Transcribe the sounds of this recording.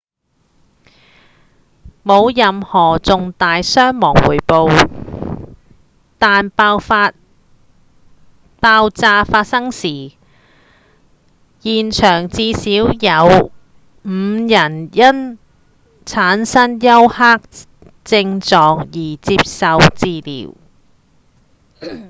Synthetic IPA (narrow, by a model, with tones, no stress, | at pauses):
mo˨˧wjɐ˨mhɔː˨˩t͡sʊ˨ŋt̪aː˨jsœː˥ŋmɔː˨˩ŋwṵː˨˩jpo˨w | t̪aː˨˧nː˧a˧ | paː˧wt͡saː˧faː˧t̚sɐ˥ŋsiː˨˩ | jiː˨˩nt͡ʃʰœː˨˩ŋt͡siː˧siː˨˥wjɐ˨˧w | m̩ː˨˧jɐ˨˩njɐ˥n | t͡sʰaː˨˥nsɐ˥njɐ˥whaː˥k̚ | t͡sɪ˧ŋt͡sɔː˨˧kjiː˨˩t͡siː˧p̚sɐ˨wt͡siː˧lḭː˨˩w